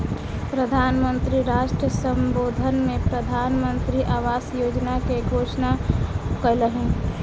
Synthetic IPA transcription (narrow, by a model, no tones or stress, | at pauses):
pɾəd̪ʱaːnmənt̪ɾiɾaːʃʈɾəsə̃mboːd̪ʱənmẽpɾəd̪ʱaːnmənt̪ɾiʔaːʋaːsjoːd͡ʒnakeɡʱoːʃnakələɦẽ